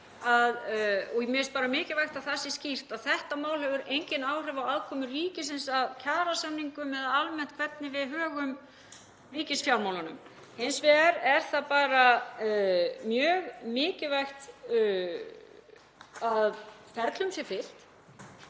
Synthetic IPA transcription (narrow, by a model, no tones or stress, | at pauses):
aðɔɣmɛst̪paːɾamɪːcɪvajxt̪aðθasɪscir̥t̪aðθɛht̪amaːwlhɛvʏɾejɲcɪnaːwr̥ɛvawaðkʰɔːmʏriːcɪsɪnsaðcʰaːɾasamniŋkʏmɛðaalmɛnt̪kʰvɛt̪̚nɪvɪðɦœːɣʏm | mɪːcɪsfjawlmawlanʏ̰m | hejnsvɛːɣaɾɛɾ̥θapaːɾa | mjœːɣmɪːcɪvajxt̪ | aðfɛɾt̪lʏmsjɛfɪl̥t̪